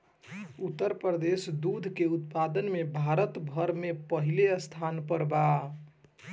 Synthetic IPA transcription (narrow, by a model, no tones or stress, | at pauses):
ut̪ːəɾpɾəd̪esd̪ud̪ʱkeut̪pad̪ənmebʱaɾət̪bʱəɾmepəɦileəst̪ʰanpəɾba